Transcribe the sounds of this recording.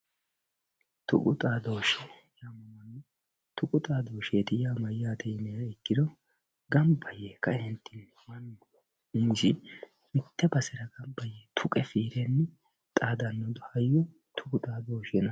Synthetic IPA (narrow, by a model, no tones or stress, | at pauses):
t̪ʊ̰kʼʊt̪ʼaːd̪oːʃɛ | jaːmɐmɐnːɛ | t̪ʊkʼʊt̪ʼaːd̪oːʃeːt̪ɪjaːmɐjaːt̪ɛjnɛjaɪkːɪd̪ɔ | ɡɐmbɐjekɐhɛnt̪ːɪn | mɐnː | ʊmɪsɪ | mɪt̪ːɛbɐsɛɾɐɡɐmbɐjet̪ʰʊkʼɛfiːɾɛnːɛ | t̪ʼaːd̪ɐnːɔd̪ʊhɐjːɔ | t̪ʰʊkʊt̪ʼaːd̪oːʃɛnɐ